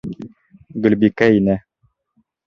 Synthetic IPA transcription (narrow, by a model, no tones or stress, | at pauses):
ɡɵ̆lbikæinɘ